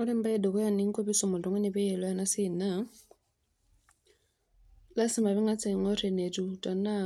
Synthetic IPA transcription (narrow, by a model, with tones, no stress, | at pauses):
ɔ˦ɾɪ˦m̩˦ba˦ɛ˦dɔ˨kɔ˦ja˦nɪ˦ŋ̩˦ko˦bi˦sɔ˦˨mɔ˨dɔ˨ŋɔ˦nɪ˨bɛ˦ɛ˨lɔ˦a˦na˦sɪ˨na˦ | la˦sɪ˦mba˨βɪ˦ŋa˦t͡sɛ˨ŋɔ˦rɛ˨ne˨tʼu˨tʼa˨na˦